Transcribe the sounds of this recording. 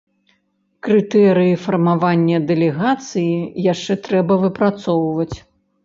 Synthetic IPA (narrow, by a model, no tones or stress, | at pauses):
kɾɨt̪ɛɾɨjifɐrmavanʲːɐd̪ɛlʲɛɣat̪sɨjijaʂt͡ʂɛt̪ɾɛbɐvɨpɾat̪sɔwvɐt͡sʲ